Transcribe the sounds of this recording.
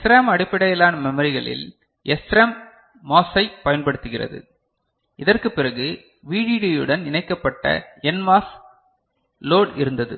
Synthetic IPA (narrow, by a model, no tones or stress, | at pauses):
sɾaːmɐɽɪpːɐɽɐjɐlaːnɐmɛmɐɾɪɣɐɭɪ̰l | ɛsɾɐmː | oːsɐɪpːɐjɐnpɐɽɯt̪ːɯɣɪrɐ̰ðɯ̰ | ʔɪðɐrkɯpːɪrɐɣɯ | ʋiːɽiːɽijɯɽɐnɪɳɐɪkːɐpːɐʈːɐ̰ɛnmaːs | loːɽɪɾɯnd̪ɐðɯ̰